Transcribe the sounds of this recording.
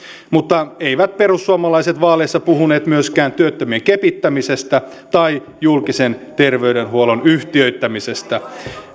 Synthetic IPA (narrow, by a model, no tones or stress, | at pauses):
mut̪ːɑeiʋæt̪̚peɾusːuɑmɑlɑise̞t̪ʋɑːleːsːɑpuhune̞ːt̪myøskæːnt̪yøt̪ːømieŋkepit̪ːæmisest̪æ | t̪ɑi | julkise̞nt̪e̞rʋe̞yde̞nɦuolonyht̪iøɥt̪ːæmise̞st̪æ